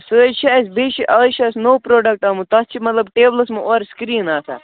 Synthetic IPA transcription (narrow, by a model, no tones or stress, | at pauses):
sət͡ʃʰiɐsʲbiʃʰiʔɐt͡ʃʰɐsʲnowpɾoːɖɐk̚ʈɐmut̪ɐst͡ʃʰimɐt̪lɐbʈeːbləsmɨʔoːɾskɾiːnaːsa̰ː